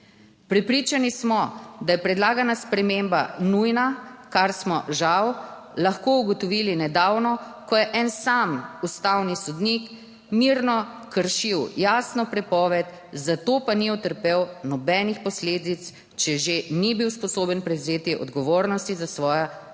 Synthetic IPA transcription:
pɾɛpɾiːt͡ʃanismɔd̪ajɛpɾɛd̪laːɡanaspɾɛmembanujnakaɾsmɔʒaw | laxkouɡɔt̪ɔʋiːlinɛd̪awnɔ | kɔjɛʔɛnsamust̪awnisɔd̪nik | miɾnɔ | kəɾʃiwjaːsnɔpɾɛpɔːʋɛt̪ | zat̪opaniɔt̪əɾpewnɔbɛːnixpɔsleːd̪it̪s | t͡ʃɛʒenibiwspɔsoːbənpɾɛwzeːt̪iʔɔ̰d̪ɡɔʋoːɾnɔst̪izasʋɔːja

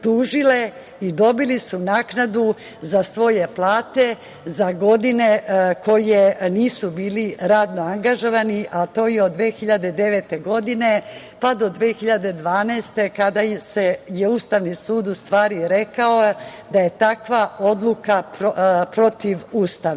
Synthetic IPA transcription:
t̪uːʒile̞ | id̪o̞bilisunaːknad̪u | zasʋo̞je̞plˠaːt̪e̞ | zaɡo̞d̪ineko̞jeniːsubiːliɾaːd̪no̞aŋɡaʒo̞ʋaniʔat̪o̞ːjeod̪ːʋeːxiʎad̪e̞d̪e̞ʋet̪e̞ɡo̞d̪ine | pad̪o̞d̪ʋexiʎad̪e̞d̪ʋaːnɛːst̪e̞kad̪aseje̞uːst̪aʋnisuːd̪ust̪ʋaːɾiɾe̞kaod̪aje̞t̪akʋao̞d̪lukappɾo̞t̪iʋuːst̪aʋ

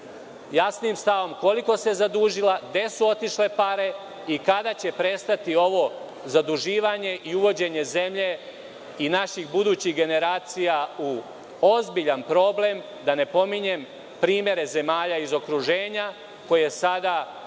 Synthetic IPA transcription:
jasnimst̪aʋo̞mko̞liko̞se̞zad̪uːʒilaɡd̪e̞suo̞t̪iʃle̞paɾe̞ | ikad̪at͡ɕe̞pɾe̞st̪at̪io̞ʋo̞ | zad̪uʒiːʋaɲe̞ʔiuʋo̞d͡ʑe̞ɲe̞ze̞mʎe̞ | inaʃixbud̪uːt͡ɕiɡe̞ne̞ɾaːt̪sijau | o̞zbiʎanpɾo̞ble̞m | d̪ane̞po̞miɲe̞m | pɾiːmje̞ɾe̞ze̞maːʎaizo̞kɾuʒe̞ːɲa | ko̞jesad̪a

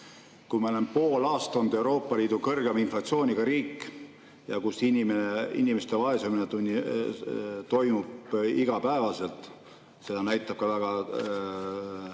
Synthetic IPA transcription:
kumɑolempoːlɑːst̪ɑnd̪̥e̞wɾo̞ːpːˑɑliːd̪̥ukɤrɡ̥emɑinflɑt̪sio̞ːnʲiɡ̥ɑɾiːkːˑ | jɑ̰kusinʲimeneḭnʲimest̪evɑe̞seminet̪unʲːi | t̪o̞jmubiɡ̥ɑpæevɑse̞lt̪ˑ | se̞d̪ɑnæjt̪ˑːɑb̥̚kɑvæɡ̥ɑ

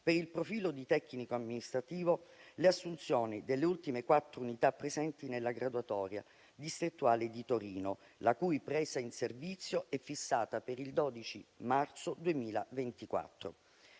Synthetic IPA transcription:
peɾilpɾofiːlod̪it̪ɛkːnikoamːinist̪ɾat̪iːvoleasːunt̪sjoːnid̪elːeult̪imekwat̪ːɾounit̪apːɾezɛnt̪inelːaɡɾad̪uat̪ɔːɾja̰ | d̪ist̪ɾit̪ːuaːled̪it̪oɾiːno | lakujpɾɛːzainservit̪sːjoɛfːisːaːt̪apeɾild̪ɔːd̪it͡ʃimart̪sod̪uemiːla̰vent̪ikwa̰t̪ːɾo̰

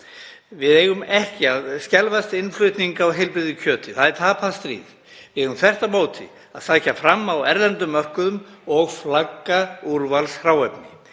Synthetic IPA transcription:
vɪðeːjɣʏmɛhcɪaðscɛlvast̪ɪnflʏɥt̪niŋkawɦɛjlpɾɪðʏcʰœːt̪ɪθaðɛɾt̪ʰaːpʰast̪ɾḭːð | vɪðɛjɣʏmθɛr̥t̪amoːwt̪ʰɪ̰ | aðsaːjcafɾamːawɛɾlɛnt̪ʏmːœr̥kʏðʏmɔɣflakːauɾvalshɾawɛpnɪ

